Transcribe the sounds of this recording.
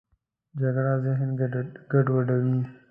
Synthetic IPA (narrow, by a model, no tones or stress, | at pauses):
d͡ʒaɡɽazɪɦnɡɡaɖwaɖawi